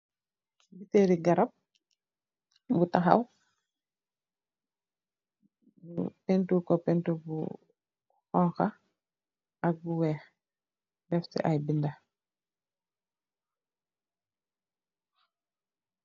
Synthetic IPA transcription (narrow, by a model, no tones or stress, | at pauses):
biteɾiɡaɾap̚ | butãxa̰w | bupɛntukɔpɛntubṵ | xɔŋxa | ak̚buwɛːx | dɛftɛ̰ʔajbinda